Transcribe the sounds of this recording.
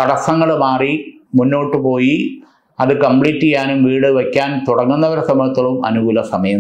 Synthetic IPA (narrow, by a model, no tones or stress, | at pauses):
kɐɽɐsɐŋːɐɭmaːri | munːo̞ːʈːɨpo̞ːji | ɐðɨkɐmpɭiːtːijaːnumʋiːɽɨʋɐkʲːaːnt̪uɽɐŋːunːɐʋɐɾɐsɐmɐɭt̪ːɐɭumʔɐ̰nuɡuːlɐsɐmɐjɐm